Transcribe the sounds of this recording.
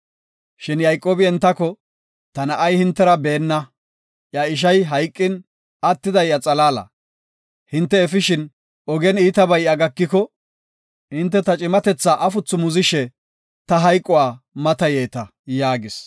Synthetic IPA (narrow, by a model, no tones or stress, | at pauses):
ʃɪnjɐjkʼːoːbɪɛnt̪ːɐkɔ | t̪ɐnɐʔɐjhɪnt̪ːɛɾɐbeːnːɐ | ʔjaɪʃ̬ɐjɦɐjkʼːɪn | ɐt̪ːɪd̪ɐjːɐt͡sʼɐlaːlɐ̰ | hɪnt̪ːɛːfɪʃɪn | ɔɡɛniːt̪ɐbɐjɐɡɐkːɪkɔ | hɪnt̪̬ːɛt̪ɐt͡ʃʼɪmɐt̪ɛt͡sːaːʔɐfʊt͡sːʊmʊzɪʃɛ | t̪ɐɦɐjkʼːɔwaːmɐt̪ɐjeːt̪ɐ | jaːɡɪs